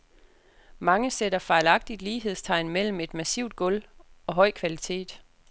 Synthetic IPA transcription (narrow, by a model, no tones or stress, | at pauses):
mɑ̈ŋəseɾɐfɑ̈ɪlɑ̈ɡ̥̚d̥id̥liːɦe̝ð̞̰ˠst͡sʰɑ̈ɪnmel̰m̩e̝d̥mæsiʊd̥̚ɡ̥ɔ̽lɒ̽ɦɒ̽ɪ̰kʰʋælit͡sʰe̝̰ːd̥